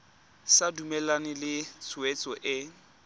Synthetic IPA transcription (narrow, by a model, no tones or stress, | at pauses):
sadumɛlanɪlɪt͡sʰʊet͡sʼɔʔɪ